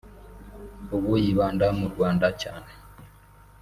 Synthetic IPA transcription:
oβojiβaːndamuɾɡwaːndacaːne

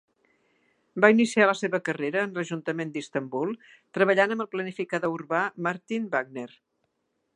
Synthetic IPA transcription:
bainisialəseβəkəreɾəːnləʒunt̪əmend̪ist̪əmbulˠ | t̪ɾəβəʎanəmbəlˠplənifikaðəuɾβamaɾt̪inbaɡ̚ner

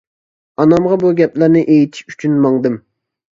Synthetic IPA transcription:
ɑnɑmʁɑbuɡʲɛplæɾnɪʔejit̪ʰi̥ʃyt͡ʃʰynmɑŋd̪ɨm

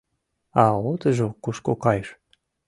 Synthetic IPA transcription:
ɑot̪əʒokuʃkokɑjʃ

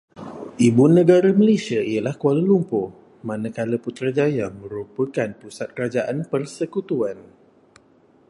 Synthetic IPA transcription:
ʔibunːə̃ɡaɾaməlesiaijəlahkualəlumpʊ | mãnə̃kaləput̪ɾad͡ʒajamə̃ɾupəkanpusat̪̚kəɾad͡ʒaʔanpərsəkut̪uan

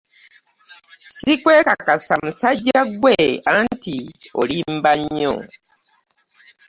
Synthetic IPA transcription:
sikweːkakasamusaɟaɡweantio̰limbaɲːo̰

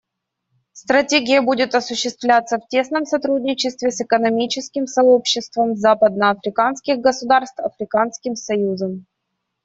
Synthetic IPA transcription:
st̪ɾɐtʲeɡʲɪjəbudʲɪt̪ɐsʊɕːɪst̪vlʲat̪səftʲe̞snəmsɐt̪ɾudʲnʲɪt͡ɕɪst̪vʲɪsɨkənɐmʲit͡ɕɪskʲɪmsɐopɕːɪst̪vəmzapəd̪̚nəɐfɾʲɪkanskʲɪɣɡəsʊd̪arst̪vɐfɾʲɪkanskʲɪmsɐjuzəm

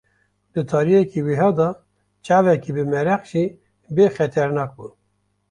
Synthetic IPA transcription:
d̪̥ɨt̪ʰɑːɾijɛkiːwiɦɑːd̪ɑː | t͡ʃɑːvɛkiːbɨmɛɾæqʒiː | beːxɛt̪ʰɛɾnɑːk̚bun

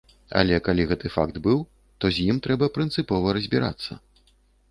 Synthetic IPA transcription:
ɐ̰lʲɛkalʲiɣɛt̪ɨfa̰kd̪bɨw | t̪ɔzʲjimt̪ɾɛbɐpɾɨnt̪sɨpɔvɐɾɐzʲbʲiɾa̰t̪sːɐ̰

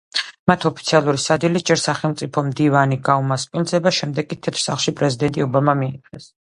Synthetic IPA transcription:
mat̪ʰɔpʰi̥t̪sʰialˠuɾisad̪ilid͡ʒɛɾsaχɛlˠmt̪sʼipʰɔmd̪ivaniɡaumaspʼilˠzɛbaʃɛmd̪ɛɡ̚kʼːit̪ʰɛt̪ʰɾ̥saχlˠʃipʼɾɛzid̪ɛnt̪ʼiɔbamamiːɛs

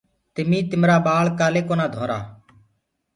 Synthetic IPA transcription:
t̪ɪmiːt̪ɪmɾaːɓaːɭkaːleːkoːnaːd̪ʱoːɾa̰ː

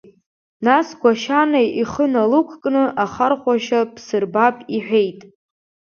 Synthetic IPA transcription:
nasɡʷaʃanajiχənalukʷʰkʼnɨʔaχarχʷaʃapʰsɨrbapʼiħᶣejtʼ

